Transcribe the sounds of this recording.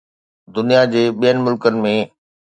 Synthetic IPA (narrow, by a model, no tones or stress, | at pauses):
d̪ʊnijad͡ʑeːɓijənɪ̆mʊlkənɪ̆mẽː